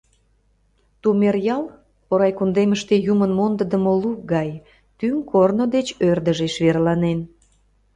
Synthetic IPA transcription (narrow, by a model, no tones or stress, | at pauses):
t̪umerjɑl | oɾɑjkund̪eməʃt̪ejumənmond̪əd̪əmoluk̚ɡɑj | t̪yŋkornod̪et͡ɕørd̪əʒeʃβerlɑnen